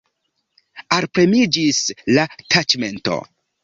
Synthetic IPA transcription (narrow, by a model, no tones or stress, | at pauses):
alpɾemid͡ʒislatʰat͡ʃme̞nto̰